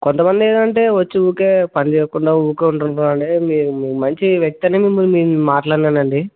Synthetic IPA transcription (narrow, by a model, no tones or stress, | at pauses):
kont̪ɐmɐnd̪ieːd̪ɐɳʈe̞ːʋɐt͡ʃːiuːkeːpɐnid͡ʒɛːjɐkuɳɖaːuːkeːuɳʈunaːɐɳʈeːmiːɾumiːmɐɲt͡ʃiʋjɐk̚t̪ɐneːmimːulmiːmaːʈlaːɽnɐnɐɳɖi